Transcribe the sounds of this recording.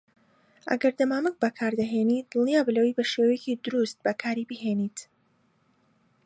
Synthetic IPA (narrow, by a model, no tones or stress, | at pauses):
ʔɐ̰ɡɐɾd̪ɐmaːmɨk̚bɐkʰaːɾd̪ɐɦeːniːt̪̚d̪̥ɨlnjaːbɨlɐwejbɐʃewɛjecid̪ʊɾust̪̚bɐkʰaːɾibiɦeːnit̪